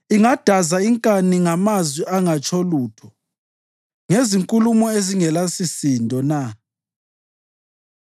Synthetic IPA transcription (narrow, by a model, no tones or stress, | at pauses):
iŋad̥ʱazaiŋkʼaniŋamazwiaŋat͡ʃʼʰoluːtʰɔ | ŋeziŋkʼulumɔeziŋɛlasisindʱɔna